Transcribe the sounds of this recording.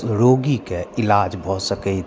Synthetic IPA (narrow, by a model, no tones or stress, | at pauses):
ɾoːɡikeɪlaːd͡ʒbʱɔsəkəi